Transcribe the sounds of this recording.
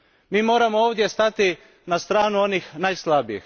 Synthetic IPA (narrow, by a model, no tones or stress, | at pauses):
miːmo̞ːɾamooːʋd̪jest̪at̪i | nast̪ɾaːnuo̞nixnajslˠabijḭx